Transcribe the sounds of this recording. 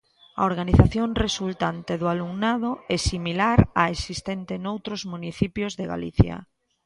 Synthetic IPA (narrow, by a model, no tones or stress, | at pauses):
a̰oɾɣaniθaθjoŋresult̪ant̪eðʊaluŋnaðʊɛsimilaɾaesist̪ɛnt̪enowt̪ɾozmuniθipjozðeɣa̰lḭθjɐ̰